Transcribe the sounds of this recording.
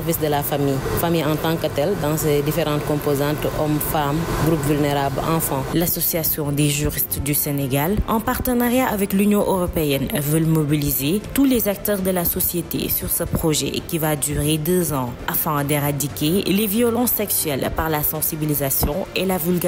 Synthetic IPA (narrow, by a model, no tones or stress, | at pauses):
ɛʁvisd̪əlafamijfamijɑ̃t̪ɑ̃kət̪ɛld̪ɑ̃sed̪ifeɾɑ̃t̪̚kɔ̃pozɑ̃t̪ɔmfamɡɾupvylneɾablɑ̰̃fɑ̃lasɔsiasjɔ̃d̪eʒyʁist̪d̪yseneɡalʔɑ̃paʁt̪ənaʁjaʔavɛklynjɔ̃ʔøʁɔpeɛnvœlmobilizet̪ulezak̚t̪œʁd̪əlasɔsjet̪ḛsyʁsəpχɔʒɛ̰kivad̪yʁed̪øzɑ̃afɑ̃d̪eʁad̪ikeleviɔlɑ̃sːɛksɥɛlpaʁlasɑ̃sibilizasjɔ̃elavylɡa